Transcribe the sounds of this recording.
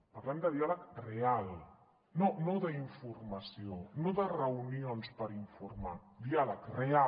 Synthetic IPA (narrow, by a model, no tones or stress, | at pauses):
pɐɾlɛmd̪əðialəkreal | nonoðəiɱfurmasionoðərəunionspəɾiɱfuɾmad̪ialəkrea